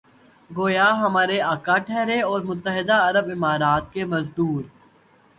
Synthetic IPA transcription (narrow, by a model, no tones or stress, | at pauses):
ɡoːjaɦɐmaːɾeaːkaʈʰɛːɾeɔːɾmʊt̪ːəɦɪd̪aɐɾəbɪmaːɾaːt̪̚kemɐzd̪uːɾ